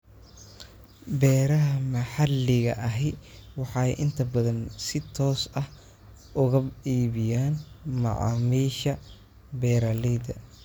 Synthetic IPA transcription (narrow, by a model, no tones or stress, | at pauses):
bɛːɾɐɦɐmɐħɑlːɪɣɐʔɐɦɛjwɑħɑɛjʔɪnt̪ʰɐbɐðɐnsɪt̪ʰɔːsɐh | ʔʊɣɐiːβɪjaːnmɑ̰ʕɑ̰miːʃɐ | bɛːɾalɛd̪ɐ̰